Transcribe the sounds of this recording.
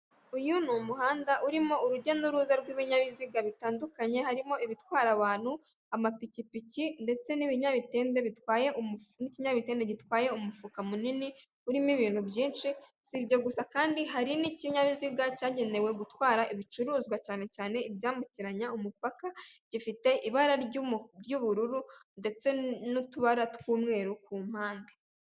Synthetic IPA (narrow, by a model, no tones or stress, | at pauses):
ujunumuɦaːndaʔuɾimouɾuɟonuɾuːzaɾɡwiβiɲaβiziɡaβitaːndukaɲe̞ɦaɾimo̞iβitwaːɾaβaːn̥hu | amapicipicinde̞t͡se̞niβiɲaβite̞ːnde̞βitwaːje̞ʔniciɲaβite̞ːndeɟitwaːje̞umufukamunini | uɾimiβiːnhubjiːnʃisibɟo̞ɡusakaːndiɦaɾiniciɲaβiziɡacaːɟe̞ne̞we̞ɡutwaːɾaʔiβit͡ʃuɾuːzɡwacaːne̞caːne̞ibjaːmbuciɾaɲaumupakaɟ̥ifite̞ʔiβaɾaɾɾɟuβuɾuɾunde̞t͡se̞nutuβaɾatkwuːmŋe̞ːɾuk̚uːm̥haːnde